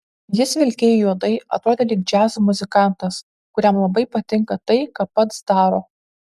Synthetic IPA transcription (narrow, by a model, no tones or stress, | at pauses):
jɪsʋʲɪlʲkʲɛjjuɔd̪ɐɪɐ̰t̪ɾoːd̪ʲeːlʲɪɡ̚d͡ʒʲæːzomʊzʲɪkɑˑnt̪ɐs | kʊɾʲæmlˠɐbɐɪpɐt̪ʲɪŋkɐt̪ɐɪkɐpːɐt̪sd̪ɑːɾoː